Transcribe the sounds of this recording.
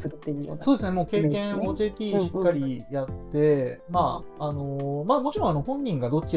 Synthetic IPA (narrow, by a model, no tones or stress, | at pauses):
ḛsoːd̪esɨnemo̞ːke̞ːkkẽ̞ɰ̃oːd͡ʑeːt̪ʲiːɕi̥kːaɾʲijat̪ːe̞maano̞mamo̞t͡ɕiɾõ̞ano̞hõ̞ɲ̟ːĩŋɡad̪o̞t͡ɕːi